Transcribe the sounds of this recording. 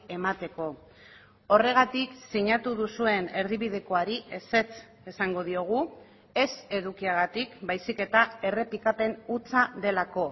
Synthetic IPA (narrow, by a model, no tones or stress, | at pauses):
e̞mat̪e̞ko̞ | o̞re̞ɣ̞at̪iksiɲat̪uðusue̞ne̞ɾðiβið̞e̞ko̞aɾiʔe̞se̞t͡s | e̞saŋɡo̞ð̞io̞ɣ̞u | e̞se̞ðukiaɣ̞at̪ikbajsike̞t̪ae̞re̞pikape̞nut͡saðe̞lako̞